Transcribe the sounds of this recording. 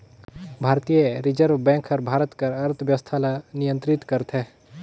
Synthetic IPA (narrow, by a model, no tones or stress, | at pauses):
bʱaːɾt̪ijəɾɪd͡ʒəɾʋbɛ̃ːŋkʰəɾbʱaːɾət̪kɐɾɐɾt̪ʰʋjəʋst̪ʰalanijə̃nt̪ɾɪt̪kəɾt̪ʰɦe